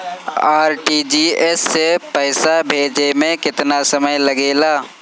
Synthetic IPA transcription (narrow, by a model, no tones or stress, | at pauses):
aːɾʈid͡ʒiːesːepɛːsabʱeːd͡ʒemẽkɪt̪nasɐməjlɐɡeːlaː